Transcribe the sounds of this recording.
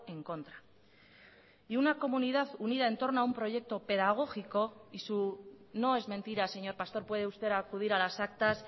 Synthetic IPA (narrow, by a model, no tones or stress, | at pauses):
e̞ŋko̞nt̪ɾa | iunako̞muniðaθunið̞ae̞nt̪o̞ɾnoaumpɾo̞ʝe̞k̚t̪o̞pe̞ðaɣ̞o̞xiko̞isu | no̞e̞zmẽ̞nt̪iɾase̞ɲo̞ɾpast̪o̞ɾpwe̞ð̞eust̪e̞ɾakuð̞iɾalasak̚t̪as